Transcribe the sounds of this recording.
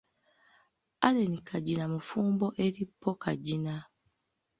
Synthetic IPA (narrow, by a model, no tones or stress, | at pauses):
alenikʰaɟinamufuːmboʔeɾipʰːokʰad͡ʒina